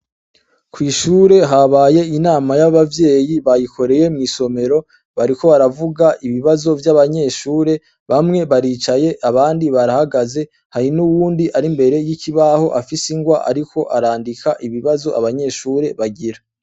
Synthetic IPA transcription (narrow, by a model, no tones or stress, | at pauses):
kwiːʃuːɾe̞ɦaβaːje̞inaːmajaβavje̞ːjiβajikʰo̞ɾe̞je̞mŋiːso̞me̞ɾo̞ | βaɾiko̞βaɾavuɡaʔiβiβazo̞vjaβaɲe̞ʃuːɾe̞ | βamŋe̞βaɾiːt͡ʃaje̞ʔaβaːndiβaɾahaɡaze̞ | haɾinuwuːndiʔaɾimbe̞ɾe̞jiciβaho̞ʔafisiŋɡwaʔa̰ɾiko̞ʔaɾaːndikʰaʔiβiβazo̞ʔaβaɲe̞ːʃuːɾe̞βaɡiɾa